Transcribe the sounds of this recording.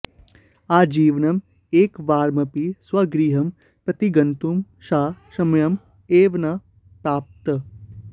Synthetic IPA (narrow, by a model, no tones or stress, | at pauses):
aːd͡ʒiːʋnɐm | eːkʋaːɾmɐpiswɐɡɾiːɦɐm | pɾɐt̪iɡɐnt̪um | ʃaːʃɐmjɐm | eːʋnɐ | pɾaːp̚t̪ɐ